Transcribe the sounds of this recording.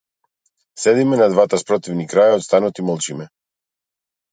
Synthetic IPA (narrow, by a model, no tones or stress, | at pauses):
sɛd̪imɛnad̪vat̪aspɾot̪ivnikɾajaot̪st̪anut̪imɔlˠt͡ʃimɛ